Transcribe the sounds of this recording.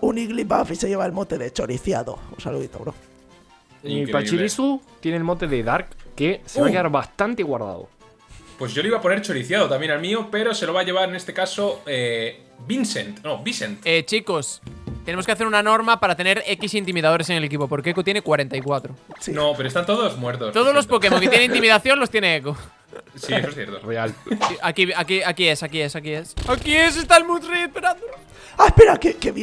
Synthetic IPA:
uniɣlibafiseʝe̞βaelmot̪eðet͡ʃoɾiθja̰ðo̰unsa̰lṵðḭt̪oβɾof | epat͡ʃiɾɾisut̪jenelmot̪e̞ðeðaɾkːeseβakeaɾβast̪ant̪eɣwaɾða̰ðo̰ | pwezʝo̞leiβapo̞neɾt͡ʃoɾiθjaðot̪amjenalmiope̞ɾo̞se̞loaʝeβaɾenest̪e̞kasoe | binsent̪nobisent̪et͡ʃiko̞st̪enemoskeaθeɾunano̞ɾmapaɾat̪e̞ne̞ɾekisint̪imiðað̞o̞ɾes̬eŋelek̬ipopoɾkeekot̪jenekwaɾent̪ajkwat̪ɾosinopeɾoest̪ant̪oðozmweɾt̪ost̪oðozlospokemoket̪jeneinimiðaθjo̞ŋlo̞st̪jeneeko | sieosθjḛɾt̪oealakiakiakiesakiesakiesakies̬est̪almũt̪reespeɾao | apeɾakekeβ

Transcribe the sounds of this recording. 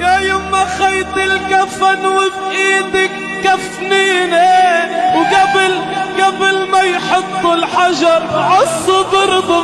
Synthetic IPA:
jajʊmːaxajt̪ɪlkafanwɪbʔiːt̪ɪkːaf | niːnawɡablɡablmajħʊt̪ˤːɪlħaʒɑɾˤʕɑsˤːɑd̪ɑɾb̪

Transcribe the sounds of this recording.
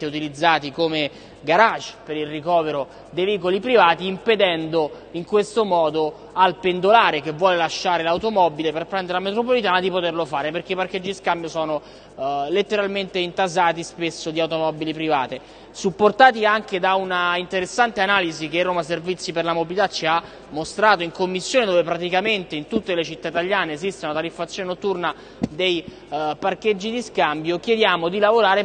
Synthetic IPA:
t̪eut̪ilid̪zːaːt̪ikome | ɡaɾat͡ʃpeɾilrikɔːveɾo | d̪ejviːkolipɾivaːt̪iːmped̪ɛnd̪o | iŋkwest̪omɔːd̪o | alpend̪olaːɾekevːwɔːlelaʃːaːɾelawt̪omɔbileperpɾɛnd̪eɾelamet̪ɾopolit̪̬aːnad̪ipot̪erlofaːɾeperk̟eipaɾked͡ʒːiiskambjosɔːno | let̪ːeɾalment̪eint̪azaːt̪ispesːod̪iawt̪omɔbilipɾivaːt̪e | supːort̪aːt̪̬iaŋk̟ed̪aunaint̪eɾesːant̪eanaːlizik̟erːoːmaservit̪sːiperlamobilit̪at͡ʃːia | mːost̪ɾaːt̪oiŋkomːisːjoːned̪oːvepɾat̪̬ikament̪eint̪ut̪ːelet͡ʃit̪ːait̪aʎːaːneːzist̪eunat̪aɾifːat̪sjonenot̪ːurna | d̪ej | parked͡ʒːid̪iskambjok̟jed̪jaːmod̪ilavoɾaːɾe

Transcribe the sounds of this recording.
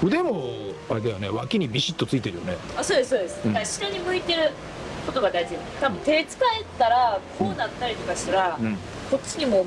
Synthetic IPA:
ɯ̟d̪e̞moaɾe̞d̪ajone̞βakʲiɲ̟ibʲiɕit̪ːo̞t͡sɨit̪e̞ɾɯ̟jo̞̰ne̞asoːd̪esɨsoːd̪esɨ̥kaɕi̥ɾaɲ̟imɯ̟it̪e̞ɾɯ̟ | ko̞t̪o̞ɡad̪aizijonet̪abɯ̟̃t̪e̞t͡sɨ̥kae̞t̪ːaɾakʰoːd̪at̪ːaɾʲit̪o̞kasɨɾã | ko̞t͡ɕːiɲ̟imo̞

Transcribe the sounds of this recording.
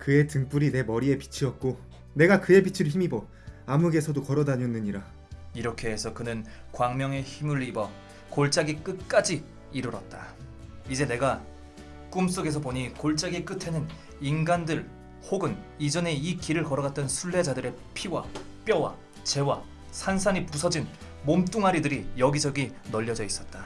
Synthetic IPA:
kɯe̞tɯŋp͈uɾine̞mʌɾie̞pi̥t͡ɕʰiʌt̚k͈o | ne̞ɡakɯe̞pit͡ɕʰiɾçimibo | amuɡe̞sʰʌdokʌɾʌdaɲʌnːɯɲiɾa | iɾʌkʰe̞ɦesʰʌkɯnɯnkwaŋmjʌŋe̞çimɯɭibʌ | koɭt͡ɕ͈aɡik͈ɯt̚k͈ad͡ʑiː | ɾɯɾʌt̚t͈aid͡ʑe̞ne̞ɡa | k͈ums͈oɡe̞s̬ʰʌpoɲikoɭt͡ɕ͈aɡik͈ɯtʰe̞nɯn | inɡandɯɭ | hoɡɯn | id͡ʑʌne̞ikiɾɯɭkʌɾʌɡat̚t͈ʌnsʰuɭːe̞d͡ʑadɯɾe̞ | pʰiwa̰ | p͈jʌwa̰ | t͡ɕe̞wa | sʰansʰanipusʰʌd͡ʑin | momt͈uŋɦaɾidɯɾijʌɡid͡ʑʌɡinʌʎːʌd͡ʑʌis͈ʌt̚t͈a

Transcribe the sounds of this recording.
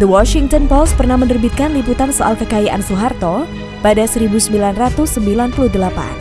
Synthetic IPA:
d̪əwɔʃiŋt̪ɔnpɔs̚pərnahmənərbit̪̚kanliput̪ansoʔa̰lkəkajaʔa̰nsuɦart̪ɔ | padasəɾibusəmbilanrat̪usːəmbilanpuluhdəlapa̰n

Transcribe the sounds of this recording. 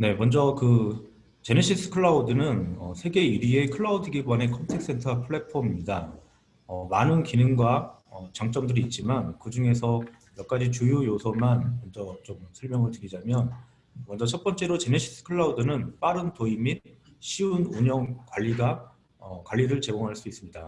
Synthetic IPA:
ne̞mʌnd͡ʑʌkɯ | t͡ɕe̞neɕʰis͈ʰɯ̥kʰɯɭːaudɯnɯnʌ̰sʰe̞ɡe̞iɾie̞kʰɯɭaudɯɡibwane̞kʰʌntʰeks͈e̞ntʰʌpʰɯɭːe̞pʰʌmimɲida | ʌmanɯnkinɯŋɡwa | ʌt͡ɕaŋt͡ɕ͈ʌmdɯɾiːt̚t͡ɕ͈imankɯd͡ʑuŋe̞sʰʌ | jʌk͈ad͡ʑit͡ɕujujosʰʌmanmʌnd͡ʑʌt͡ɕomsʰʌɭmjʌŋɯɭtɯɾid͡ʑamjʌn | mʌnd͡ʑʌt͡ɕʰʌt̚p͈ʌnt͡ɕ͈e̞ɾot͡ɕe̞neɕʰi̥s͈ʰɯ̥kʰɯɭːaudɯnɯnp͈aɾɯntoimit̚ | ɕʰiunuɲʌnkwaʎːiɡa | ʌkwaʎːiɾɯɭt͡ɕe̞ɡoŋɦaɭs͈uis͈ɯmɲida

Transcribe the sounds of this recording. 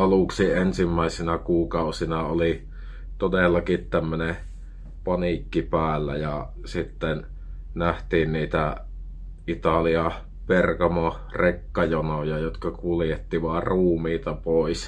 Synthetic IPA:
ɑluksiʔensimːæˑisinɑkuːkɑˑusinɑoli | t̪odelːɑkit̪t̪æmːøne | pɑnikːipæːlːæ̰jɑ | sit̪ːen | næht̪iːnniːt̪æ | ʔit̪ɑliɑ | perkɑmo | rekːɑjonojɑjot̪kɑkuljet̪ːiʋɑrruːmiːt̪ɑpoˑis

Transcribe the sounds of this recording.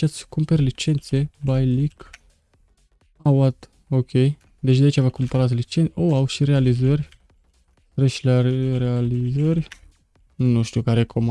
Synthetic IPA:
t͡ʃat̪sʲkumperʲlit͡ʃe̞nt̪se̞bajlik | awat̪ | okʰʲej | d̪e̞t͡ʃd̪ait͡ʃavakumpəɾat̪lit͡ʃenoawʃiɾealizərʲ | ɾeʃilaɾealizəɾʲ | nuʃt̪ukaɾekʰoma

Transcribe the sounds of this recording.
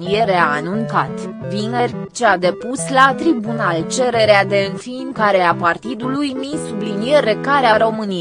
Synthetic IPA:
nije̞ɾeaːnunt̪at̪vinerʲt͡ʃead̪e̞puslat̪ɾibunalt͡ʃe̞ɾe̞ɾead̪e̞ɨnfimkaɾeapart̪id̪ulujmisublinije̞ɾe̞kaɾeaɾo̞mɨnij

